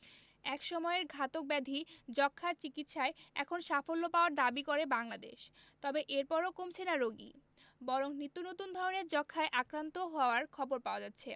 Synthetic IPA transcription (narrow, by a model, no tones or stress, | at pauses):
ɛkʃɔmɔeɾɡʱat̪ok̚bɛd̪ʱid͡ʑɔkʰːaɾt͡ɕikit̪ʃaeɛ̰kʰonʃafolːopaoaɾd̪abikoɾebaŋlad̪ḛʃt̪ɔbeʔeɾpɔɾokomt͡ɕʰenaɾoɡḭ | bɔɾoŋnit̪ːunot̪und̪ʱɔɾoneɾd͡ʑɔkʰːaeʔakɾant̪oɦɔoaɾkʰɔboɾpaoad͡ʑat̪ːɕʰe